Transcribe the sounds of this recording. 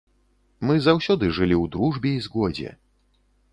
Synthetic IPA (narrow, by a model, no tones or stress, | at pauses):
mɨzawsʲɔd̪ɨʐɨlʲiwd̪ɾuʐbʲɛizɣɔd͡zʲɛ̰